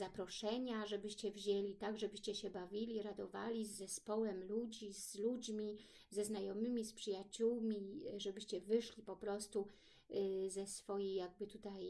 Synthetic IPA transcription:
zapɾɔʂɛɲaʐɛbɘɕt͡ɕɛvʑelʲit̪aɡʐɛbɘɕt͡ɕɛɕɛbavʲilʲiɾad̪ɔva̰lʲizːɛspɔwɛmlud͡ʑizlud͡ʑmʲi | zɛznajɔmɘmʲispʂɘjat͡ɕuwmʲiʐɛbɘɕt͡ɕɛvɘʂlʲipɔpɾɔst̪u | zɛsfɔjijːaɡ̚bɘt̪ut̪aj

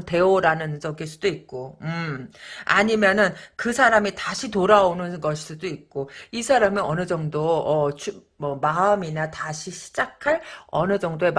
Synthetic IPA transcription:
nte̞oɾanɯnt͡ɕʌɡiɭs͈udoik̚k͈oɯma̰ɲimjʌnɯnkɯsʰaɾamitaɕʰitoɾaonɯnɡʌɕʰi̥s͈udoik̚k͈oisʰaɾamiʌnɯd͡ʑʌŋdoʌt͡ɕʰu | mʌmaɯminataɕʰiɕʰi̥d͡ʑakʰaɭʌnɯd͡ʑʌŋdoe̞m

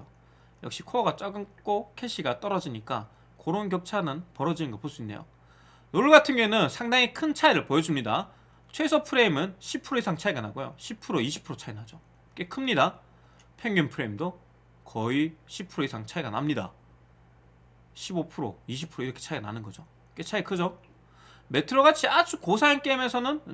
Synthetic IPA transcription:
o | jʌ̰k̚ɕ͈ikʰoʌɡat͡ɕ͈aɡɯnk͈okʰe̞ɕʰiɡat͈ʌɾʌd͡ʑiɲik͈a | koɾonɡjʌp̚t͡ɕʰanɯnpʌɾʌd͡ʑinɯnŋɡʌpos͈uinːe̞jo̰ | noɭɡatʰɯnɡɥenɯnsʰaŋdaŋikʰɯnt͡ɕʰaiɾɯɭpojʌd͡ʑumɲida | t͡ɕʰwe̞sʰʌpʰɯɾe̞imɯnɕʰipʰɯɾoisʰaŋt͡ɕʰaiɡanaɡojo̰ɕʰipʰɯɾoiɕ̬ʰi̥pʰɯɾot͡ɕʰainad͡ʑo | k͈ekʰɯmɲida | pʰeŋɡumpʰɯɾe̞imdo | kʌiɕʰipʰɯɾoisʰaŋt͡ɕʰaiɡana̰mɲida̰ | ɕʰibopʰɯɾo̰iɕʰipʰɯɾoiɾʌkʰe̥t͡ɕʰaiɡana̰nɯnɡʌd͡ʑo | ket͡ɕʰaikʰɯd͡ʑo | me̞tʰɯɾoɡat͡ɕʰiat͡ɕʰukosʰaink͈emesʰʌnɯn

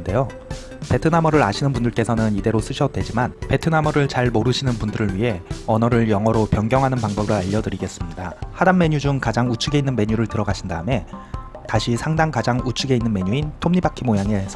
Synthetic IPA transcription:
de̞jo | pe̞tʰɯnamʌɾɯɾa̰ɕʰinɯnbundɯɭk͈e̞sʰʌnɯnide̞ɾos͈ɯɕʰʌt̚dwe̞d͡ʑimanpe̞tʰɯnamʌɾɯɭt͡ɕaɭmoɾɯɕʰinɯnpundɯɾɯɭɥiɦe̞ʌnʌɾɯɭjʌŋɦʌɾopjʌŋɡjʌŋɦanɯnpaŋbʌbɾɯɭaʎːʌdɯɾiɡe̞s͈ɯmɲidahadanme̞ɲud͡ʑuŋkad͡ʑaŋut͡ɕʰɯɡe̞inːɯnme̞ɲuɾɯɭtɯɾʌɡaɕʰindaɯme̞ | taɕʰisʰaŋdaŋkad͡ʑaŋut͡ɕʰuɡe̞inːɯnme̞ɲuintʰomɲibakʰimojaŋe̞sʰ

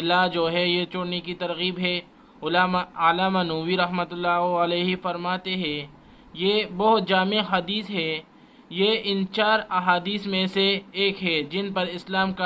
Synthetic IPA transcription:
ɪlad͡ʒoːɦɛjet͡ʃʊɽnekit̪ɐɾɣiːbɦɛ | ʊlaːmaaːlaːmanuːʋiɾɐɦmət̪ʊlːaːɦəleːɦifɐɾmaːt̪eɦɛ̃ː | jebɔɦʊt̪̚d͡ʒaːmeɦɐd̪iːsɦɛː | jeɪnt͡ʃaːɾɐɦaːd̪iːsmẽseːkɦɛd͡ʒɪnpɐɾɪslaːmka

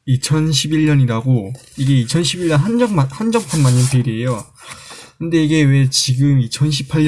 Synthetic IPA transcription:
it͡ɕʰʌnɕ̬ʰibiɭːʌniɾaɡo | iɡe̞it͡ɕʰʌnɕʰibiʎːʌnɦand͡ʑʌŋmahand͡ʑʌŋpʰanmaɲːʌnpʰeɾiejo | kɯnde̞iɡe̞we̞t͡ɕiɡɯmit͡ɕʰʌnɕ̬ʰi̥pʰaɭː

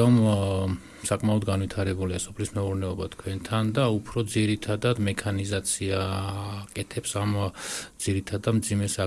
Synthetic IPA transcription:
ɔm | sakʼmaɔd̪ɡanvwit̪ʰaɾɛbuliasɔpʰlismɛuɾnɛɔbat̪ʰkʰwɛnt̪ʰand̪aupʰɾɔd̪ziɾit̪ʰad̪ad̪mɛkʰanizat̪sʰiakʼɛt̪ʰɛpsamd̪z̥iɾit̪ʰad̪amd̪zimɛsa

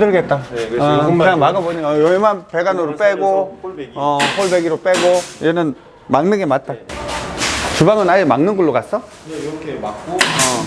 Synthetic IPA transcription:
dɯɭɡet̚t͈aɯŋsʰamaɡaboɲiajoimanpe̞ɡanɯɾop͈eɡoʌɸʰoɭbeɡiɾop͈eɡoid͡ʑenɯn | maŋnɯɡemat̚t͈a | t͡ɕubaŋɯnaimaŋnɯnɡuɭːoɡas͈ʌ | ʌ

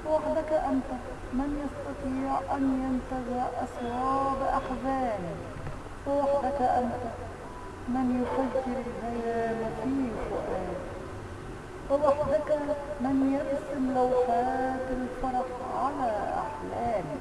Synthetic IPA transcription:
waħd̪akaʔant̪a | mɪnjɑst̪ɑt̪ˤiːʕʔanjant̪azɪʕʔɑsˤwɑːbʔaħzaːli | wɪwaħd̪akaʔant̪a | mɪnjʊfaɡːɪɾɪlhajaːmʊt̪iːfʊʔaː | wɪwaħd̪akamɪnjɪɾsɪmlawfaːt̪ɪlfɑɾˤɑqʕalaʔa̰ħlaːli

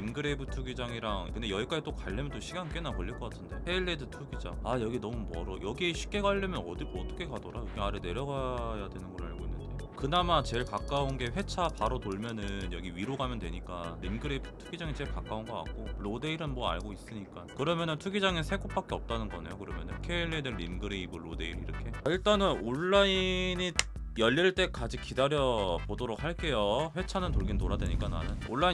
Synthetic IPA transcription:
imɡɯɾe̞bɯtʰuɡid͡ʑaŋiɾaŋkɯndejʌik͈ad͡ʑit͈okaɭːemjʌnt̬͈oɕʰiɡank͈e̞nakʌʎːiɭk͈ʌk͈atʰɯnde̞ɸe̞iɭːedɯtʰuɡid͡ʑa̰ŋajʌɡinʌmumʌɾʌjʌɡieɕʰi̥k͈e̞ɡaʎːɯmjʌnʌdiʌt͈ʰʌkʰe̞kadʌɾajokeaɾɯne̞ɾjʌɡajadwe̞nɯnɡʌɾa̰ɭɡoinːɯnde̞jokɯnamat͡ɕe̞ɭkak͈aonɡe̞ɸwe̞t͡ɕʰapaɾotoɭmjʌnɯnjʌɡiɥiɾoɡamjʌndwe̞ɲik͈aɾimɡɯɾeptʰuɡid͡ʑaŋit͡ɕe̞ɭkak͈aunɡʌka̰k̚k͈oɾode̞iɾɯnmwʌa̰ɭɡois͈ɯɲik͈ankɯɾʌmjʌnɯntʰuɡid͡ʑaŋesʰe̞ɡop͈̚ak͈eʌp̚t͈anɯnɡʌne̞̰jokɯɾʌmjʌ̰nokʰe̞iɭːedɯɾimɡɯɾeibɯːode̞iɾiɾʌkʰe̞aiɭt͈anɯnoɭːaini | jʌʎːiɭt͈e̞kad͡ʑik͈idaɾjʌbodoɾok̚haɭk͈e̞joɸwe̞t͡ɕʰanɯntoɭɡintoɾadwe̞̰ɲik͈ana̰nɯnoɭːai

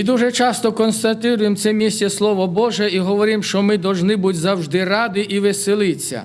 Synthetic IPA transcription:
id̪uʒɛt͡ʃɑst̪ɔkɔnst̪ɐt̪ɪɾʊjemt̪sɛmʲisʲtʲɛslˠɔʋɔbɔʒɛiɦɔʋɔɾʲimʃt͡ʃɔmɪd̪ɔwʒnɪbutʲzɐwʒd̪ɪrɑd̪ɪʔiʋesɪlˠɪt͡sʲːɐ̰

